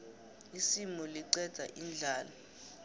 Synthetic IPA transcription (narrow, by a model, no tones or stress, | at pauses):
isimɔliǀɛd̥z̥ʱa̰ʔind͡ɮʱaːla